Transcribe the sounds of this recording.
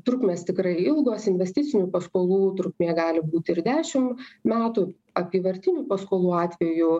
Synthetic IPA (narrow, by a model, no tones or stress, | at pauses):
t̪ɾʊkmʲeːst̪ʲɪkɾɐɪɪlˠɡoːsɪnʲʋʲɛsʲt̪ʲɪt͡ssʲɪnʲupɐskoːlˠuːt̪ɾʊkmʲiːɡɑːlʲɪbuːt̪ʲɪɾd̪ʲæːʃʲɪmmʲæːt̪uː | ɐpʲiːʋɐɾʲt̪ʲɪnʲupɐskoːlˠuːɑːt̪ʲʋʲɛju